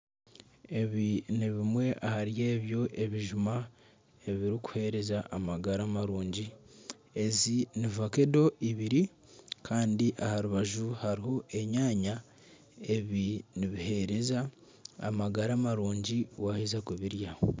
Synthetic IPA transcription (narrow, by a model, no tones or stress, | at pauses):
e̞βiniβimwe̞ʔahaɾje̞ːβjo̞ʔe̞βiʒuma | eβiɾiku̥he̞ɾe̞zaʔamaɡaɾaːmaɾuːɲɟi | e̞zinivake̞do̞ʔiβiɾi | kʰaːndiʔahaɾuβaʒuhaɾiho̞ʔe̞ɲaːɲa | e̞βiniβihe̞ɾe̞za̰ː | maɡaɾaːmaɾuːɲɟiwahizakuβiɾja